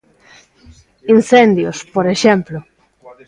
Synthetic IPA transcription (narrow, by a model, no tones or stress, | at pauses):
inθend̪jospoɾeʃemplo